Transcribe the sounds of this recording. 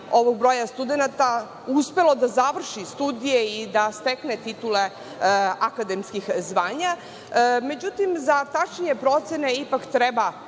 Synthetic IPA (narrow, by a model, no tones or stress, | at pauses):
o̞ʋoɡ̚bɾo̞jast̪ud̪enat̪a | uspe̞lo̞d̪azaʋr̩ʃist̪ud̪ijeid̪ast̪eknet̪it̪ule | akad̪emskixzʋaːɲa | me̞d͡ʑut̪imzat̪at͡ʃeɲepɾo̞t̪seneipakt̪ɾeba